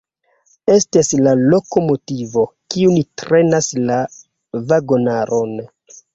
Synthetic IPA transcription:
e̞staslalo̞ko̞mo̞tivo̞kiunitɾe̞nasla | vaɡo̞naɾʔon

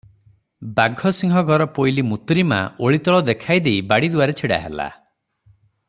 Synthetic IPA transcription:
baɡʱɔsiŋɦɔɡʱɔɾɔpojlimut̪ɾima̰oɭit̪ɔɭɔd̪ekʰajd̪ejbaɽid̪uaɾet͡ʃʰiɽa̰ɦḛla̰

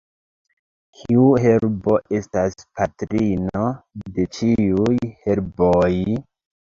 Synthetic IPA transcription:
kʰiuɦe̞ɾbo̞ʔe̞staspatɾino̞de̞t͡ʃiujhe̞ɾboj

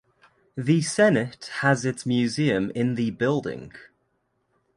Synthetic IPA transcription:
ðəsɛnɪthəzɪtsmjʉːziə̃mɪ̃nðəbɪlˠdɪ̰̃ŋ

